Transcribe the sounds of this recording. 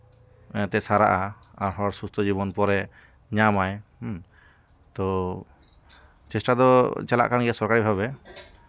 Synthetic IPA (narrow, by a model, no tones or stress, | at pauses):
ɔ̃t̪ɛsaɾaʔa | aɾɦɔɾsust̪ʰɔd͡ʒibɔnpɔɾɛ | ɲamaj | t̪ɔ | t͡ʃɛsʈad̪ɔt͡ʃɛla̰ʔkanɡɛsɔɾkaɾibʱabɛ